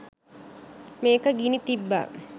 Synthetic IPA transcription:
meːkəɡinit̪ibːa̰

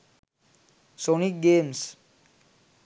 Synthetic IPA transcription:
sonik̚ɡeːms

